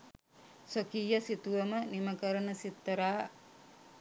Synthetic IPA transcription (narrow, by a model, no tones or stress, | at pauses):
sokiːjɐsit̪uʋɐməniməkəɾənəsit̪ːɐɾaː